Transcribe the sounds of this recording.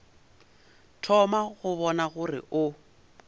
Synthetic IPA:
tʰɔmaɣʊβɔnaɣʊrɪ̰ʔʊ

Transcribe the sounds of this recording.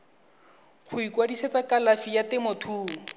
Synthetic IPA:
χʰʊikwadisɛt͡sakalafijatɪmotʰuːŋ̩

